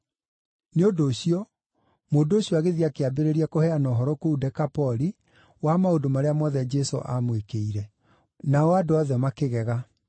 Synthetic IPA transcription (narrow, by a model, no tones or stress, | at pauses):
neodoːɕiɔ | moːdooɕiɔaɣeðiakeabeɾeɾiakohɛanɔɦɔɾɔkoudɛkapɔɾi | wamaodomaɾeamɔðɛd͡ʒɛso̰ʔamwekeiɾɛ | naɔadoaðɛmakeɣɛɣa